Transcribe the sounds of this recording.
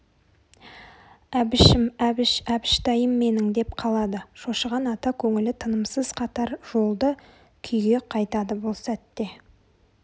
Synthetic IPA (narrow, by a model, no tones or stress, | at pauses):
æbɪʃɪmæbɪʃæbɪʃt̪ɑjəmːe̞nɪŋd̪e̞pqʰɑlˠɑd̪əʃoʃəʁɑnɑt̪ɑkʲʰɵŋɪlɪt̪ʰənəmsəz̥qʰɑt̪ɑɾʒ̥o̞lˠd̪ə | kʲʰʏjɡʲe̞qʰɑjt̪ɑd̪əbʊlˠsæt̪ːe̞